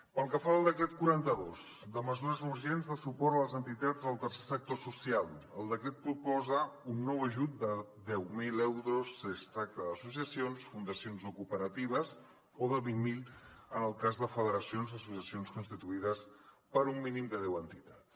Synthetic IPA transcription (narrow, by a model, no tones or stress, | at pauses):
pəlˠkəfaəlˠd̪əkɾɛt̪̚kuɾant̪əðoz | d̪əməzuɾəzuɾʒenzðəsupɔɾələzənt̪it̪ad͡zəlˠt̪ərsesək̚t̪osusialˠəlˠd̪əkɾɛt̪̚pɾupɔzəunːɔwəʒut̪̚d̪əðɛwmilɛwɾosəst̪ɾak̚t̪əðəsusiəsionsfund̪əsionzokupəɾət̪iβ̞əz | oðəβiŋmilənəlˠkazðəfəðəɾəsionzəsusiəsionskunst̪it̪uiðəspəɾumːinimd̪əð̞ɛwənt̪it̪at̪s